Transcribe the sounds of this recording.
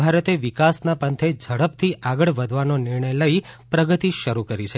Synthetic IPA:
bʱaɾət̪eʋikasnapənt̪ʰed͡ʒʱəɽəpt̪ʰiʔaɡəɭʋəd̪ʱʋanonɪɾɳəjləipɾəɡət̪iʃəɾukəɾit͡ʃʰe

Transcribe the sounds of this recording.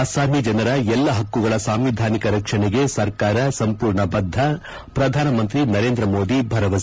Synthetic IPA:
asaːmid͡ʒɐnɐɾɐɛlːɐɦɐkːuɡɐɭɐsaːmʋid̪ʱaːnikɐɾɐkʂɐɳɛɡe̞sɐɾkaːɾɐsɐmpuːɾɳɐbɐd̪ʱːɐ | pɾɐd̪ʱaːnɐmɐnt̪ɾinɐɾe̞ːnd̪ɾɐmo̞ːd̪ibʱɐɾɐʋɐs

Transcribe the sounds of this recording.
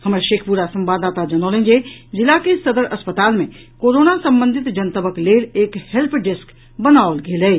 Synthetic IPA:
hɐmɾeʃeːkʰpuɾasɐ̃mbaːd̪aːt̪ad͡ʒɐnoːlẽːŋɡezɪlakesɐd̪əɾɐspət̪aːlmẽ | koːɾoːnasɐ̃mbə̃nd̪ʱɪt̪d͡ʒɐnt̪əbəkleːleːkhɛlpʰɖɪsk | bənaːolɡeːleeː

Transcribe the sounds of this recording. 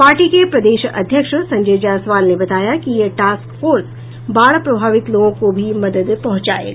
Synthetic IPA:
paːɾʈikepɾɐd̪eːʃɐ̰d̪ʱjəkʃsɐ̃ɲd͡ʒeːd͡ʑãsʋaːlnebɐt̪aːjakijeʈaːskfoːɾs | baːɭpɾɐbʱaːʋɪt̪loːõkobʱimɐd̪əd̪pɐ̃ɦʊ̃t͡ɕa̰ːḛa

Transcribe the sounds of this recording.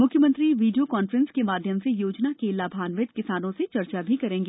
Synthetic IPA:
mʊkʰjəmə̃nt̪ɾiʋiːɖijokɔːnfəɾə̃nskemaːd̪ʱjəmsejoːd͡ʒnakelaːbʱaːnʋɪt̪kɪsaːnõset͡ʃɐɾt͡ʃabʱikɐɾẽːŋɡeː

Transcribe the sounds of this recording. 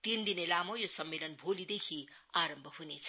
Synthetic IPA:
t̪ind̪inelamʌjosʌmːelʌnbʱolid̪ekʰi | aɾʌmbʱʌɦunet͡sʰʌ̥

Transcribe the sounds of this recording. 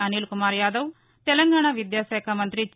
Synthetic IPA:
ɐniːlkʊmaːɾjaːd̪əʋ | t̪elə̃ŋɡaːɽ̃aʋɪd̪jaːsəjkʰamə̃nt̪ɾi

